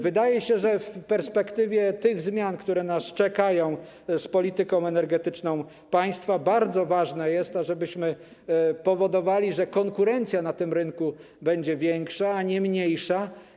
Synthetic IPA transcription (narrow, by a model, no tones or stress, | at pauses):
vɘd̪ajɛɕɛʐɛfpɛɾspɛkt̪ɘvʲjɛt̪ɘɣzmʲjankt̪uɾɛnast͡ʂɛkajɔ̃w̃ | spɔlʲit̪ɘkɔ̃w̃ɛnɛɾɡɛt̪ɘt͡ʂnɔ̃w̃ | paj̃st̪fabaɾd̪zɔvaʐnɛjɛst̪aʐɛbɘɕmɘ | pɔvɔd̪ɔvalʲiʐɛkɔŋkuɾɛnt̪sʲjanat̪ɘmɾɘnku | bɛɲd͡ʑɛvʲjɛŋkʂaːɲɛmɲejʂa